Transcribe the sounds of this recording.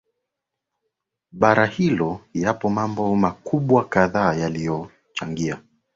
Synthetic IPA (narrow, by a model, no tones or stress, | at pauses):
ɓaɾahilɔjapɔmambɔmakuɓwakaðaːjalijɔ | t͡ʃaŋɡia